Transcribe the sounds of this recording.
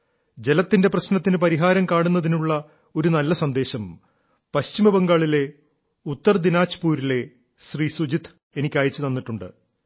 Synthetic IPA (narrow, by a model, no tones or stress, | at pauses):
d͡ʑe̞lɐt̪ːinde̞prɐɕnɐt̪ːinɨpɐɾiɦaːɾɐmkaːɳunːɐðinuɭːɐ | o̞ɾunɐlːɐsɐnd̪e̞ːɕɐm | pɐɕt͡ɕimɐbɐŋɡaːɭile̞ | ut̪ːɐrd̪inaːt͡ɕːɐ̥puːɾile̞ | ɕriːsud͡ʑit̪ʰ | enikʲːaːjit͡ɕːɨt̪ɐnːiʈːuɳɖɨ̰